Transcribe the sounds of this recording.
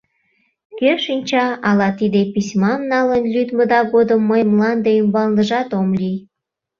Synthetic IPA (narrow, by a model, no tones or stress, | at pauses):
keʃinʲt͡ɕɑɑlɑt̪id̪episʲmɑmnɑlənlʲyd̪məd̪ɑɣod̪əmːəjmlɑnd̪eymbɑld̪əʒɑt̪omlʲij